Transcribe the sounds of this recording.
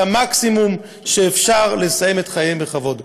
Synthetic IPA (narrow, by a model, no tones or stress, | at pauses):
amaksimum | ʃeːfʃaʁle̞sajemetχajembeχavo̞d